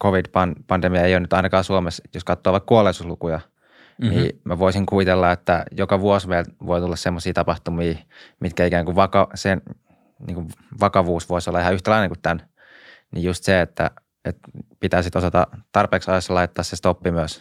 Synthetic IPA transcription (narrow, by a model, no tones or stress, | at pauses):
koʋid̥pɑnpɑndemiɑeijonyt̪ɑinɑkɑːsuomesjoskɑt̪ːoːʋɑkkuolːˑeisuslukujɑ | niːmæʋoisiŋkuit̪elːɑet̪ːæjokɑʋuosʋeilʋoit̪ulːɑssemːosiːt̪ɑpɑht̪umiː | mit̪kæikæːŋkuʋʋɑkɑsen | nḭːŋkuʋ | ʋɑkɑʋuːsʋoisolːɑihɑyht̪ælɑineŋkut̪t̪æn | niːjust̪seet̪ːæ̰ | et̪pit̪æːsit̪osɑt̪ɑt̪ɑrpeːksɑjosːɑlɑit̪ːɑːssest̪opːimyøs